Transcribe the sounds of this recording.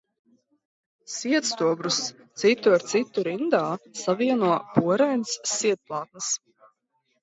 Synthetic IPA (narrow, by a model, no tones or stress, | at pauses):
siɛt̪st̪uɔbɾus | t̪sit̪ːuaɾt̪sit̪ːuɾind̪aːsaviɛnuɔpuɔɾajnsːiɛt̪̚plˠaːt̪̚nɨs